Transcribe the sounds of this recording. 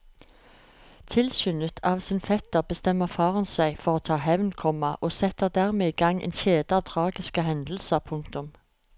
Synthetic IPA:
t̪ʰɪlsʏːnət̪ʰɑːʋsɪnfɛt̪əʁbəst̪ɛmːəʁfɑːʁənsæɪfɔʁoːt̪ʰɑːɦɛʋnkʰɔmɑʔoːsɛt̪əʁd̪æʁmeːiːɡɑŋʔḛːnçeːd̪əɑːʋt̪ʰʁɑːɡɪskəɦɛnd̪l̩səʁpʰʊŋkt̪ʊm

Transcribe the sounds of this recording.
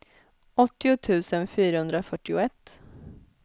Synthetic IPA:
ʔɔt̪ːɪʊt̪ʰʉ̟ːsənfyːɾahɵnd̪ɾafœʈːɪʊɛt̪ː

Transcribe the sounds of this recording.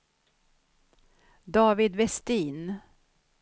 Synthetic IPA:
d̪ɑːvɪd̪vɛst̪iːn

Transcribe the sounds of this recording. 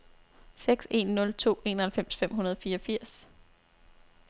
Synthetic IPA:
seɡ̥se̝̰nːɔ̽lt͡sʰo̝̰ːe̝̰ːnɐhælfem̰sfem̰ɦunɐð̞ˠɒ̽fiːɒfiɐ̰s

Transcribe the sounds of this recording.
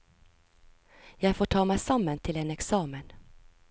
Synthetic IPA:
jɑːɡfoːʈʰɑːmɛjsamːant̪ʰɪlɛnɛksɑːmən

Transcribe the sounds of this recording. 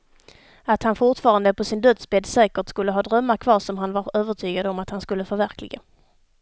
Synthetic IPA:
at̪hanfʊʈfɑːɾand̪əpɔsɪnd̪œt̪sbeːd̪sɛːkəʈskɵlːəɦɑːd̪ɾœmːaɾkʰvɑːʂɔmɦanvaɾøːvəʈʰyːɡad̪əɔmat̪hanskɵlːəfœɾvæɾklɪ̰ɡa̰

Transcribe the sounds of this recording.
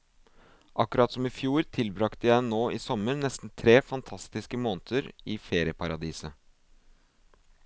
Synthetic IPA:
ʔɑkʉɾɑt̪sɔmɪfjuːɾt̪ʰɪlbɾɑkt̪əjæɪnoːʔiːsɔməɾnɛst̪n̩t̪ʰɾeːfɑnt̪ʰɑst̪ɪskəmoːnt̪ʰəɾiːfeːɾɪəpʰɑɾɑd̪iːsə

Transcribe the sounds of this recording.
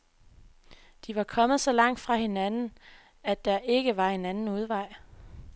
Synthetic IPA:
d̥iʋɑ̈kʰɒ̽mð̞̩ˠsɒ̽lɑ̈ŋ̰d̥fʁɑ̈he̝nænn̩ | æd̥ːɑ̈ʔe̝ɡ̥əʋɑ̈e̝nænn̩uð̞ˠʋɑ̈ɪ̰

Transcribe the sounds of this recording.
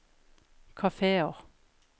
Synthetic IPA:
kʰɑfeːɔʁ

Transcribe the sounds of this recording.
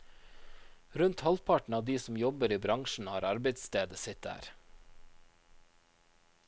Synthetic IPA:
ɾʉnt̪hɑlpʰɑʈɳ̩ɑːʋd̪iːsm̩jɔbəɾiːbɾɑŋʃɳ̩hɑːɾɑɾbeɪt̪st̪eːd̪əsɪt̪̚dæ̰ːɾ

